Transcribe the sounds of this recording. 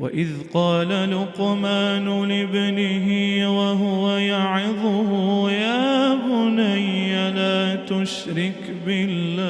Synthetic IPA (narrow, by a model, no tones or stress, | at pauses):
wa̰ʔɪðqɑːlalʊqmaːnʊlɪbanɪɦɪwaɦʊwajaʕɪðˤʊhʊjaːbʊnajːalaːt̪ʊʃɾɪk | bɪlːaː